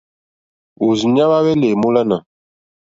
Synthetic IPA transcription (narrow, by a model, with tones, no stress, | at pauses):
u˨zɲa˦βa˦wɛ˦le˨mu˦la˦na˨